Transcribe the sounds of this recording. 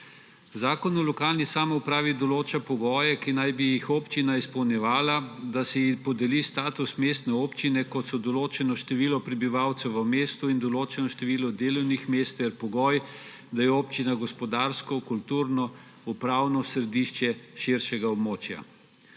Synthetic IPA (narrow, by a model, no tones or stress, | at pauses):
zaːkɔnɔlɔkaːlnisaːmɔupɾaːʋid̪ɔloːt͡ʃapɔɡɔːjɛkinajbijixoːpt͡ʃinaispɔwnjɛʋaːlad̪asɛjipɔd̪ɛlist̪aːt̪usmeːst̪nɛoːpt͡ʃinɛkɔt̪sɔd̪ɔloːt͡ʃɛnɔʃt̪ɛʋiːlɔpɾɛbiʋawt̪sɛwəmeːst̪uind̪ɔloːt͡ʃɛnɔʃt̪ɛʋiːlɔd̪eːlɔwnixmeːst̪ɛɾpɔɡɔːj | d̪ajɛoːpt͡ʃinaɡɔspɔd̪aːɾskɔkult̪uɾnɔ | upɾaːwnɔsɾɛd̪iʃt͡ʃɛʃiɾʃɛɡaɔbmoːt͡ʃja̰